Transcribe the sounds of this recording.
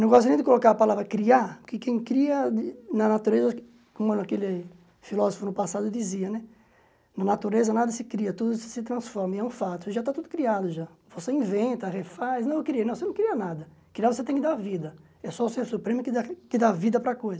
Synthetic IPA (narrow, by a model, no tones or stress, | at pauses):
nɐ̃w̃ɡɔst̪ɾĩd̪ɪkolokaɾɐpalavɾɐkɾiapʊkɪkẽj̃kɾiɐɪnɐnat̪uɾezɐ | kõmʊɛñakelɪ | filɔzofʊnʊpasad̪ʊd̪iziɐnɛ | nɐ̃nat̪uɾezɐnad̪ɐsɪkɾiɐt̪ud̪ʊsɪ̥sɪt̪ɾɐ̃sfɔɾmɐɛũfat̪ʊʒat̪at̪ud̪ʊkɾiad̪ʊʒavoseĩvẽnt̪ɐʁefasnɐ̃w̃ewkɪɾiɐnɐ̃wvosenɐ̃w̃kɪɾiɐnad̪ɐkɾiavoset̪ẽkɪd̪avid̪ɐ | ɛsɔʊseɾsupɾẽmʊkɪd̪akɪd̪avid̪ɐpɾɐkojzɐ